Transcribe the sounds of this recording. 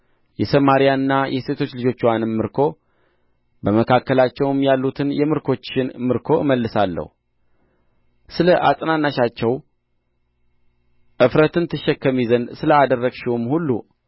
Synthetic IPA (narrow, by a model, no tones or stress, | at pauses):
jɛsəmaɾijanɨnːajʔɛse̞t̪ʰo̞t͡ʃːlɨd͡ʒo̞t͡ʃːwanɨmmːɨɾkʰo̞ | bəməkʰakːəlat͡ʃːɛwɨmjalːut̪ʰɨnjɛmɨɾkʰo̞t͡ʃːɪnmɨɾkʰo̞ɨməlːɨsalːə̰hu | sɨləʔasʼnanːaʃat͡ʃːɛw | ʔɨfɾət̪ɨnt̪ʰɨʃːɛkːəmizənsɨləad̪ərːəɡʃiumhulːṵ